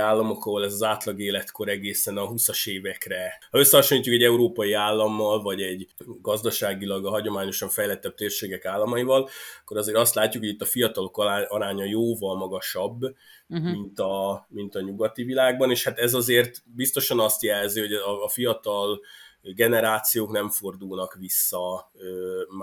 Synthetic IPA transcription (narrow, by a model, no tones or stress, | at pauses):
aːlːɒmokɒɦolɛzɒzaːt̪lɒɡeːlɛt̪ko̞ɾɛɡeːsɛnɒɦusɒʃeːvɛkrɛhɒø̞sːɛhɒʃoniːcːukɛɟɛuɾoːpɒjiaːlːɒmːɒlvɒɟɛɟɡɒzd̪ɒʃaːɡilɒɡɒɦɒɟo̞maːɲo̞ʃɒɱfɛjlɛt̪ːɛb̥̚t̪eːrʃeːɡɛkaːlːɒmɒjivɒlkːo̞ɾɒzeːɾɒst̪laːcːukho̞ɟit̪ːɒfijɒt̪ɒlo̞kːɒɾaːɲɒjoːvɒlmɒɡɒʃɒbː | mint̪ɒmint̪ɒɲuɡɒt̪ivilaːɡbɒneːʃhat̪ɛzɒzeːrt̪bist̪o̞ʃɒnɒst̪jɛlziho̞ɟːfijɒt̪ɒlɡɛnɛɾaːt̪sijoːknɛɱfo̞rd̪ulnɒkʋisːɒøm